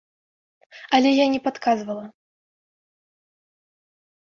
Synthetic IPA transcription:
ɐlʲɛjanʲɛpat̪kʰazvɐlˠɐ

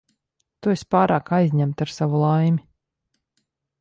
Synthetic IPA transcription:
t̪uesʲpaːɾaːkajzʲɲæmt̪aɾsavulˠajmʲi

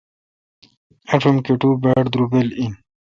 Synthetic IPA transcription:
ɐʈ͡ʂʰumkeʈubaʈd̪ɾubelin

